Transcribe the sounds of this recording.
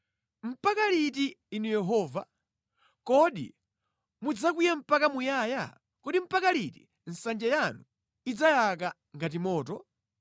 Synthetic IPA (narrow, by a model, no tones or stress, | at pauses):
m̩pakalitiːnujɛɦɔːva | kɔɗḭ | mud͡zakujɛm̩pakamujaːja̰ | kɔɗim̩pakalitḭ | n̩sand͡ʒɛjanu | id͡zajaka | ŋɡat̬imɔːt̬ɔ